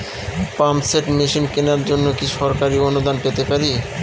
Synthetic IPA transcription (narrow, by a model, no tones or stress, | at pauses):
pamseʈmiʃinkenaɾd͡ʑonːokiʃɔɾkaɾionud̪anpet̪epaɾi